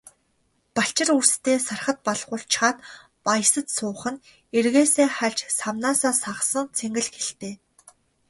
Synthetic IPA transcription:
paɬt͡ɕɪ̆rurst̪ʰeːsarχə̆t̪̚paɮʁʊːɬt͡ɕχaːn | paj̆sə̆t̪sʊːχə̆n | erɣeːseːχaɮt͡ɕsawnaːsaːsaʁə̆sə̆nt͡sʰeŋɡɘ̆ɮxeɬt̪eː

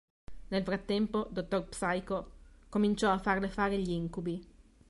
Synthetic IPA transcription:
nelfɾat̪ːɛmpod̪ot̪ːorpsajkokomint͡ʃɔafːarnefaːɾeʎiiŋkubi

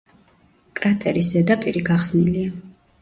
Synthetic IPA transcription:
kʼɾat̪ʼɛɾisɛd̪apʼiɾiɡaχsnilia

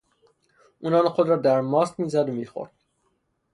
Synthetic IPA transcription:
uːnɒːnxod̪ɾɒːd̪æɾmɒːst̪miːzæd̪omiːxo̰ɾd̪̥̚

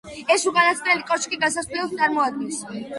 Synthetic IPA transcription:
ɛsukʼanasʰɾɛlikʼɔt͡ʃkʼiɡasasliɔt̪sʼaɾmɔad̪̚ɡɛ̃ns

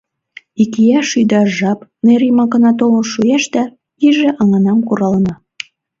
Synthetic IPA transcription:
ikijæʃyd̪ɑʒɑpneɾimɑkɤnɑt̪̬olənʃujæʃd̪æ | iʒĕʔɑŋɑnɑmkuɾɑlə̆nɑ

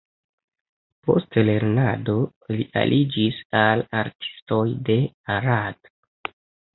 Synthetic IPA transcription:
po̞̰stle̞ɾnado̞liʔa̰lʔid͡ʒisalaɾtʰi̥sto̞jde̞ | aɾad̥

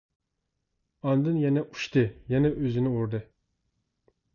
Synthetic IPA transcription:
ɑnd̪ɨnjɛnɛʔu̥ʃt̪ɨjɛnɛʔøzɪnɪuɾd̪ɨ

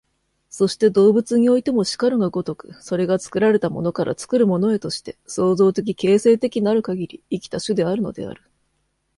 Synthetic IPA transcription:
so̞ɕi̥t̪e̞d̪o̞ːbɯ̟t͡sɨɲ̟io̞it̪e̞mo̞ɕi̥kaɾɯɡaɡo̞t̪o̞kɯ̟̥so̞ɾe̞ɡat͡sɨ̥kɯ̟ɾaɾe̞t̪amo̞̰no̞kaɾʔa̰t͡sɨ̥kɯ̟ɾɯ̟mo̞no̞e̞t̪o̞ɕi̥t̪e̞so̞ːzo̞ːt̪e̞k̬ʲike̞ːse̞ːt̪e̞kʲiɲiaɾɯ̟kaɡʲiɾʲiikʲi̥t̪aɕɨd̪e̞aɾɯ̟no̞̰d̪e̞̰a̰ɾɯ̟

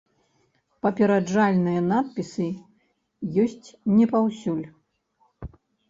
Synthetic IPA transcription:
pɐpʲɛɾad͡ʐalʲnɨjɐnat̪̚pʲisɨ | jɔsʲt͡sʲnʲɛpawsʲulʲ

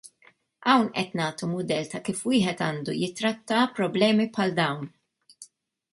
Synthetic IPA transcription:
ʔɐwnʔɛt̪nɐːt̪umʊd̪ɛlt̪ɐkiːfwiːħɛt̪ɐːnd̪ujɪt̪ːɾɐt̪ːɐpɾɔblɛːmipħɐld̪ɐwn

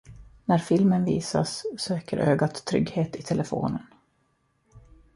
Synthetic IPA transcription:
næɾfɪlmənvḭːsa̰sːøːkəɾʔøːɡat̪ʰːɾʏ̰ɡheːt̪ɪt̪ʰɛlɛfo̰ːnən

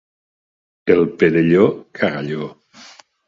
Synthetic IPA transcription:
elˠpeðeʎokʰaɣaʎo

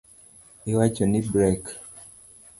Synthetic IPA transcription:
iwat͡ʃɔnibɾɛk

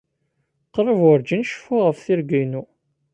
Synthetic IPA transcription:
qəɾˤəvʊɾd͡ʒənʃfʊʁəfθiɾɡijnu

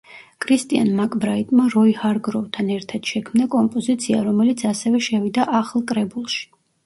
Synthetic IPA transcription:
kʰɾist̪ʼia̰nmakʼbɾait̪ʼmaɾɔihaɾɡɾɔvt̪ʰanɛɾt̪ʰad̪̥ʃɛkʰmnakʼɔmpʼɔzit̪sʰia̰ɾɔmɛlit̪sʰasɛvɛʃɛvid̪aʔaχlˠkʼɾɛbulˠʃi̥

